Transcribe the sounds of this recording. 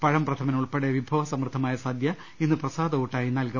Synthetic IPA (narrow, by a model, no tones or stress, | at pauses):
pɐɻɐmprɐt̪ʰɐmɐnuɭpeɽeʋibʱɐʋɐsɐmrɨd̪ʱɐmaːjɐsaːd̪ʱjɐ | enːɨprɐsaːd̪ɐuʈːaːjinɐlkɐ